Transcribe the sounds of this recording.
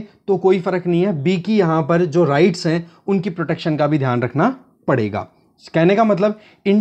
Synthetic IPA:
t̪okoːifɐɾəknɐɦĩɦɛbiːkijɐɦãpɐɾd͡ʒoːɾaːɪʈsɦɛ̃ʊnkipɾoʈeːkʃənkabʱid̪ʱjaːnɾɐkʰna | pɐɽ̤ḛːɡa̰ː | skɛɦnekamɐt̪̬ləb | ɪ̃

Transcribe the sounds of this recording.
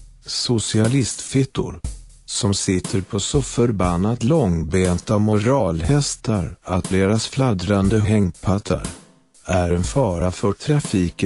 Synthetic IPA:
sʊsɪalɪst̪fɪt̪ːʊ̰ɾ | sɔmsɪt̪ʰːəɾpʰɔsɔfœɾbanːat̪lɔŋbeːnt̪amʊɾɑːlhɛst̪ʰaɾat̪̚d̪eːɾasflad̪ɾand̪əɦɛŋpʰat̪ʰːa̰ɾ | æɾɛnfɑːɾafœʈʰɾafiːk

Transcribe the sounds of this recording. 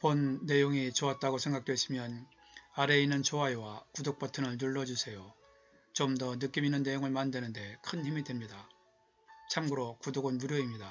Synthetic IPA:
ponːe̞joŋit͡ɕoat̚t͈aɡosʰe̞ŋɡak̚t͈we̞ɕʰimjʌn | aɾe̞inːɯnt͡ɕoajowakudok̚p͈ʌtʰɯŋɯɭnuɭːʌd͡ʑusʰe̞jo | t͡ɕomdʌnɯk͈iminːɯnːe̞joŋɯɭmandwenɯnde̞kʰɯnçimidwemɲida | t͡ɕʰamɡɯɾokudoɡɯnmuɾjoimɲida

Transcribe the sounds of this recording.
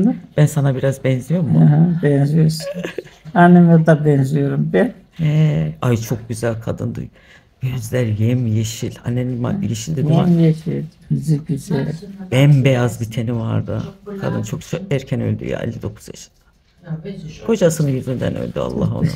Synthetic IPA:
b̥ænsanabiɾazbɛnzijo̞ɾmuɦabɛnzijoɾsu̥nanːɛmɛd̪abɛnzijo̞ɾumbɛ | ɛajt͡ʃʰo̞k̚ɟyzælʲkʰad̪ɯnd̪ṵj | ɟø̞zlʲæɾjemjeʃilʲa̰nːenma̰jeʃilʲd̪id̪imamjeʃemiziizɛb̥ɛnbejazbit̪ʰeniva̰ɾd̪ɯ̰kʰa̰d̪ɯnt͡ʃʰo̞kæɾcʰɛnø̞lʲd̪y̰ja̰ːḛlʲːid̪o̞kʰu̥zjaʃɯ̥nd̪a | kʰo̞d͡ʒasɯnɯjyzynd̪æ̰nø̰lʲd̪ya̰lˠːa̰ɦo̰nṵ

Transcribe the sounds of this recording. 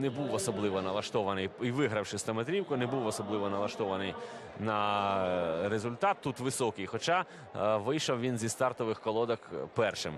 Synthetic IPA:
nɛbuwɔsɔblˠɪʋɔnɐlˠɐʃt̪ɔʋɐnɪjiʋɪɦɾɐwʃɪst̪ɐmet̪ɾʲiwkʊnɛbuwɔsɔblˠɪʋɔnɐlˠɐʃt̪ɔʋɐnɪjnɐ | ɾezʊlʲt̪ɑt̪ːut̪ʋɪsɔkɪjxɔt͡ʃɑ | ʋɪjʃɔwʋʲinzʲist̪ɑrt̪ɔʋɪxkɔlˠɔd̪ɐkpɛrʃɪm

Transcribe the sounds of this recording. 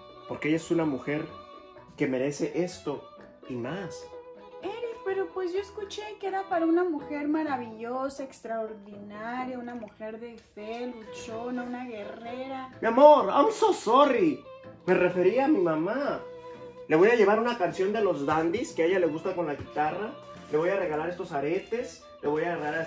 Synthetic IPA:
po̞ɾkeeʝaesunamuxe̞ɾ | ke̞me̞ɾe̞se̞ʔe̞st̪o̞ | imas | eɾipe̞ɾo̞pwe̞szʝo̞eskut͡ʃe̞keɾapaɾaunamuxe̞ɾmaɾaβiʝosaekst̪ɾaoɾðinaɾjaunamuxe̞ɾðe̞felut͡ʃonaunaɣe̞reɾamjamo̞ɾa̰msosori | me̞re̞fe̞ɾiamimama | le̞βo̞jaʝe̞βaɾunakansjo̞nd̪elo̞zðand̪iskeeʝale̞ɣust̪ako̞nlaɣit̪ara | le̞βo̞jare̞ɣalaɾe̞st̪o̞saɾe̞t̪e̞s | le̞βo̞jaɣaɾðaɾ

